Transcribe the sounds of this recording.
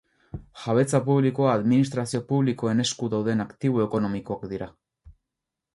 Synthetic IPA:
ʝaβe̞t͡sapuβliko̞aːðminis̬t̪ɾasio̞puβliko̞e̞ne̞skuðawðe̞nakt̪iβ̞oe̞ko̞no̞miko̞akd̪iɾa

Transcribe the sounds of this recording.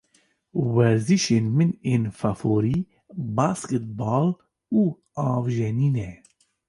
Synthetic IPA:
wɛɾziʃeːnmɨneːnfafoːɾiː | baːskɛt̪̚bɑːl | uː | ɑːvʒɛniːnɛ

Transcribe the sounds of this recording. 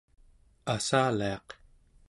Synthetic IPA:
asaːliɑq

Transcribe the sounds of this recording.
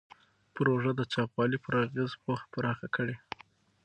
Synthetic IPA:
pɾoʐəd̪ət͡ʃɑpwɑlipəɾaɣezpoxpaɾɑxakʰəɽe

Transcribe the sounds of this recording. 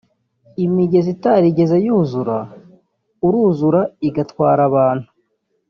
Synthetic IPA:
imiɡe̞zitaɾiɡe̞zajuːzuɾa | uɾuːzuɾaiɡatwaːɾaβaːn̥hu

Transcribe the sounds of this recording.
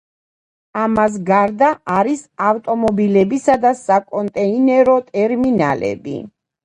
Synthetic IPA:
amas̬ɡaɾd̪aaɾisaft̪ʼɔmɔbilɛbisad̪asakʼɔnt̪ʼɛinɛɾɔt̪ʼɛɾmina̰lɛ̰bḭ

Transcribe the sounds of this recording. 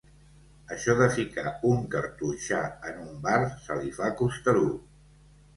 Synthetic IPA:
əʃɔðəfikauŋkəɾt̪uʃaənumbarsəlifakust̪əlu

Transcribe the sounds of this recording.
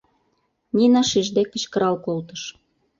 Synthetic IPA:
nʲinɑʃiʒd̪ekːə̆t͡ɕkəɾɑlkolt̪ə̆ʃ

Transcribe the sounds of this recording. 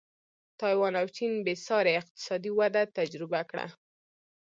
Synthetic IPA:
t̪ɑjwɑnawt͡ʃinbesɑɾeɪq̚t̪ɪ̥sɑd̪iwad̪at̪ad͡ʒɾɪbakɽa̰

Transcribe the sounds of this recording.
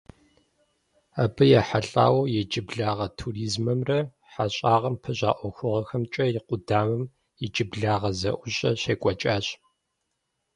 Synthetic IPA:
abɨjaːħaɬʼa̰ːwɐjɛt͡ʃʼɪbɮaːʁɐtʰuriːzmɐmrɐ | ħaɕʼaːʁɐmpʰɨɕʼa̰ːʔʷɔxʷʊʁɐxɐmt͡ʃʼɐjɪqʷʊdaːmɐm | jɛt͡ʃʼɪbɮaːʁɐzɐ̰ʔʷʊɕʼɐɕeːkʷʼɔt͡ʃʼaːɕ

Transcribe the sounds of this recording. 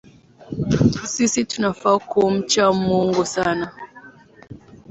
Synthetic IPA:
sisitunafakum̩t͡ʃamuŋɡusana

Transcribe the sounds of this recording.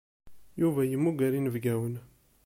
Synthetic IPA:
juvæjəmːuɡʷæɾinəvɡæwən

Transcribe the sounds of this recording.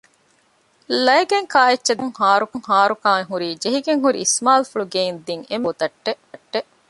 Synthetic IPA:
lɐjɡeŋkaːetːɐd̪ɐŋhaːɾukɐŋhaːɾukaːŋeɦuɾiːd͡ʒeɦiɡeŋɦuɾḭismaːlfuɭuɡeind̪iŋemot̪ɐʈːe | ʈːe

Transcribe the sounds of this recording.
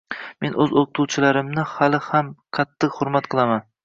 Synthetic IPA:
me̞nɵzoqɨt̪ʰuwt͡ʃʰɪlaɾɪmnɪhalɪhamqʰɑt̪ʰːɨqhʊɾmat̪̚qʰɨlˠaman

